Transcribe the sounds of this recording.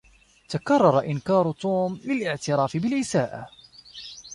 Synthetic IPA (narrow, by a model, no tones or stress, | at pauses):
t̪akɑrˤːɑɾˤɑʔɪnkɑːɾˤt̪ˤuːmlɪlʔɪʕt̪ɪɾˤɑːfɪbɪlʔɪsaːʔa̰